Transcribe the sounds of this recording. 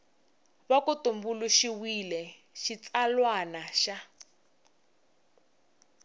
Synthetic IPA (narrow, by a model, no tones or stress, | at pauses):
βakutumbuluʃiwilɛ | ʃit͡salwanaʃa